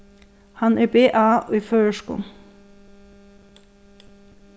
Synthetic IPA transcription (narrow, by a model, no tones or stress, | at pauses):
hɑnæːbeːʔɑːiːføːəʃkṵːl